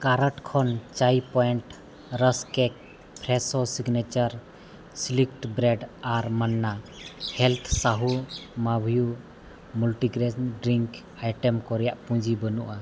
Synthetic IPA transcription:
kaɾəʈkʰɔnt͡ʃajpɔjɛɳʈ | ɾəskɛk | pʰɾɛsɔsiɡnet͡ʃaɾ | slikʈbɾɛɖaɾmənːahɛlt̪ʰsaɦumabʱju | mulʈiɡɾeɖɾiŋk | ajʈɛmkɔɾɛjaʔpũd͡ʒibənuʔa

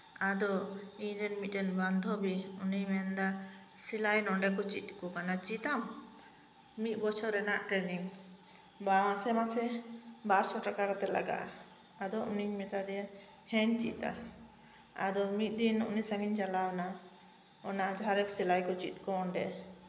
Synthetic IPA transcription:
ad̪ɔiɲdɛnmit̪̚ɛnband̪ʱɔbiunijmɛnd̪a | silajnɔɳɖɛkɔt͡ʃit̪̚kɔkanat͡ʃit̪am | mit̪̚ˀbɔt͡ʃʰɔɾɛnaʔʈɾɛniŋ | bamasɛmasɛbaɾsɔʈakakɔt̪ɛla̰ɡa̰ʔa | ad̪ɔʔuniɲmɛt̪ad̪ɛja | hɛɲt͡ʃit̪a̰ | a̰d̪ɔmit̪̚ˀd̪inɔʔnisaŋiɲd͡ʒalawna | ɔnaʔd͡ʒɦaɾɛksilajkɔt͡ʃit̪̚kɔːɳɖɛ̰

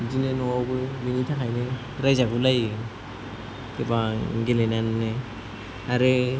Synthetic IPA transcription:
d͡ʒinenɔabɯbeŋitʰakajnɯ | ɾajzaɡulajɯ | kebaɡelenanːɯ | aɾɯ

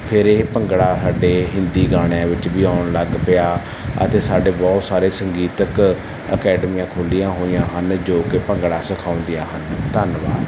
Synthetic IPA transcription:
pʰɪɾeːpəŋɡɽaːsaːɖeːɦɪnd̪iːɡaːɽ̃ãːʋɪt͡ʃbiːaːʊɳləɡpɪjaː | ə̰t̪eːsaːɖeːbɔːt̪saːɾeːsəŋɡiːt̪ək | ə̰kɛːɖəmiːãːkʰoːlijãːɦoːijãːɦənd͡ʒoːkepəŋɡɽaːsəkʰaːʊ̃nd̪ijãːɦənt̪ənʋa̰ːd̪

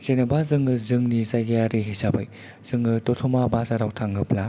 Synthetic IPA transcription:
senɐbazɯŋɯzɯŋnizajɡejaɾiɦisabɯj | z̥ɯŋɯtɔtʰɔmabazaɾawtʰaŋɡɯpla

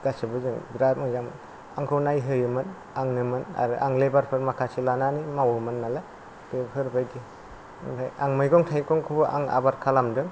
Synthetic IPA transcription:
ɡ̥asɯbɯzɯŋbɾamɯzam | aŋkʰɯwnajɦɯjɯmɯn | aŋnɯmɯna̰ɾɯʔa̰ŋlebaɾpʰɯɾmakʰasilananimawɯmɯnːala | pepʰɯɾbajɡi | tʰajaŋmɯjɡɔŋtʰajkɔŋkʰɯbɯʔa̰ŋa̰baɾkʰalamdɯŋ

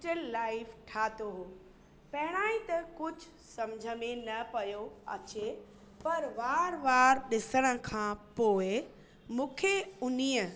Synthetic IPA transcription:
ʈəlːaːɪfʈʰaːt̪oɦoː | pɐɦɪɽ̃aːĩt̪ɐkʊd͡ʑʱʊ | sɐmd͡ʑʱəmẽnɐpɐjoɐ̰t͡ɕe | pɐɾʋaːɾʋaːɾɗɪsəɽ̃ə̆kʰãːpoːɪ | mũːkʰeʊniːə

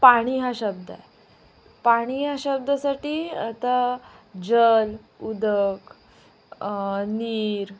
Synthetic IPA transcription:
paɽ̃iːɦaɕəb̚d̪a̰e | paɽ̃iɦaɕəb̚d̪əsaʈiːat̪a | d͡ʑəl | ud̪ək | niːɾ

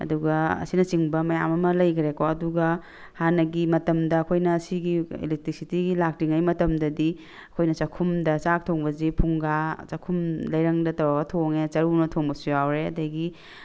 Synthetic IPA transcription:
ɐ̰duɡɐɐ̰sinɐt͡ʃiŋbɐmɐjamɐmɐlɐjkʰɾekoɐduɡɐ | hanɐɡimɐtɐmdɐːkʰojnɐːsiɡiḭlek̚tɾisitiɡilak̚tiŋajmɐtɐmdɐdi | ɐkʰojnɐt͡ʃɐkʰumdɐt͡ʃak̚tʰoŋbɐzipʰuŋɡat͡ʃɐkʰumlɐjɾɐŋdɐtɐwaɡɐtʰoŋet͡ʃɐɾunɐtʰoŋbɐsujawɾeɐ̰dɐɡi

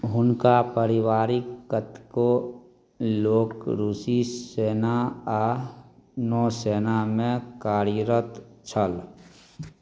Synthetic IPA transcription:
ɦʊnkapəɾɪwaːɾikːət̪ko | loːkɾuːsiseːnaa | nɔːseːnamẽkaːɾiɾət̪t͡ʃʰəl

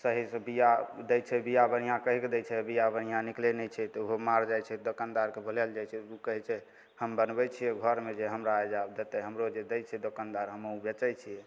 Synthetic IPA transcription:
səɦisə̃bijad̪ɛjt͡ʃʰɛbijabənijãkəɦikd̪ɛt͡ʃʰɛbijabənijãniklenɛt͡ʃʰɛt̪ɔuɦomaɾd͡ʒajt͡ʃʰɛd̪okand̪aɾkebʱəlɛld͡ʒajt͡ʃʰɛukəɦɛt͡ʃʰɛ | həmbənbɛt͡ʃʰijɛɡʱəɾmed͡ʒeɦəmɾaed͡ʒabd̪et̪ɛɦəmɾod͡ʒed̪ɛjt͡ʃʰɛd̪okand̪aɾɦəməubet͡ʃɛjt͡ʃʰijɛ

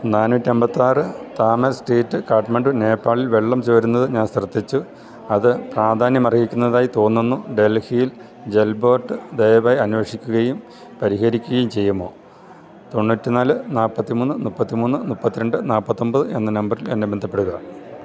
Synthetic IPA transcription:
naːnuɐtːiembɐt̪ːiaːrɨt̪aːmɐsʈeːtːɨkaːʈɐmeɳɖɨne̞ːpːaːɭilʋe̞ɭːɐmt͡ɕoːɾunːɐðɨɲaːnsrɐt̪ːit͡ɕːu | ɐðɨpraːd̪ʱaːnjɐmɐrkikʲːunːɐðaːjit̪o̞ːnːenːuɖe̞lhijil | d͡ʑe̞lbo̞ːʈːɨd̪ejɐʋaːjɐnuʋeʂikʲːuɣɐjum | pɐɾiɦɐɾikʲːuɣɐjumt͡ɕe̞jːumːo̞̰ː | t̪o̞ɳːuːtːinaːlɨnaːlpɐt̪ːimuːnːɨnupːɐt̪ːimuːnːɨnupːɐt̪ːiɾɐɳɖɨnaːlpːɐt̪ːo̞mbɐðɨe̞nːɨnɐmbɐrilenːebe̞nd̪ʱɐpːe̞ɽuɣɐ

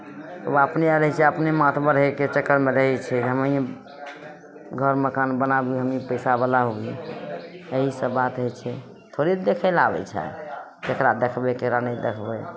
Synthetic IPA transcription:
t̪əbapneaɾəɦɛt͡ʃʰɛəpnemat̪ʰbəɾɦeket͡ʃəkːəɾmeɾəɦɛt͡ʃʰɛɦəməi | ɡʱəɾməkanbənabiɦəmipəɪsabəlaɦobi | əɦisəbat̪ɦojt͡ʃʰɛ | t̪ʰoɾid̪ekʰəlabɛ̰t͡ʃʰɛ̰a̰ | kekɾad̪ekʰbekekɾanəjd̪ekʰbe

